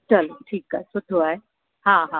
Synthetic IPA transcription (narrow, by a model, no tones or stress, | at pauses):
t͡ʃəlʈʰiːka̰esʊʈʰoae | ɦãɦãː